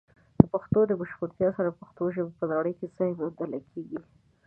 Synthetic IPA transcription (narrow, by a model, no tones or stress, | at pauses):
d̪̥əpaxt̪od̪əbəʃpuɾt̪jɑsaɾapaxt̪oʒəbepəd̪ɑɽəjkezəmod̪əlakʰeɡi